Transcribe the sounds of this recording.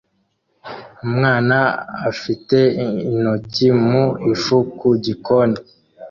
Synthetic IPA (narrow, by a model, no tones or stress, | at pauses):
umŋaːnaafiteinocimuifukuɟikoni